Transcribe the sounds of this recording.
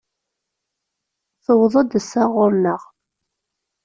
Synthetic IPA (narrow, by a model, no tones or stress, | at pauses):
θəwðˤəd̪əsaʁʊɾnəʁ